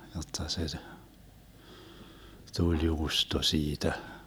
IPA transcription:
jotːɑ se tulʲ juːsto siːtæ

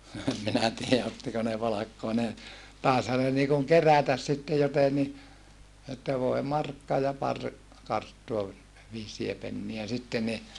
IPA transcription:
no em minæ tiːæ otːiko ne pɑlɑkːoɑ ne tɑˑeshɑ ne niːkuŋ kerætæs sitːe joteni etːæ ʋoe mɑrkːɑ jɑ pɑr kɑrtːuɑ ʋi ʋiːsie penːiæ sitːe ni

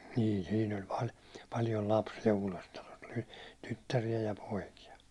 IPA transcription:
niːl siːn olʲ pɑl pɑljol lɑpsijɑ uːlestɑlos o̥l̥i tytːærijæ jɑ poikijɑ

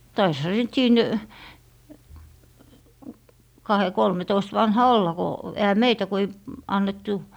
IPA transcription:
tɑishɑ se sit siːn kɑhe kolmetoist ʋɑnhɑ olːɑ ko ehæ meitæ ku ei ɑnːetːu

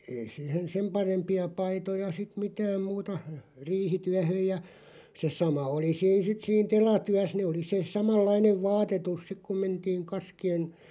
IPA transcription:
ei siˑhen sem pɑrempiɑ pɑitojɑ sit mitæːm muːtɑ riːhityæhøj jɑ se sɑmɑ oli siːn sit siːn telɑtyæs neː oli se sɑmɑlˑɑineʋ ʋɑːtetus sik kum mentiːŋ kɑskien̞

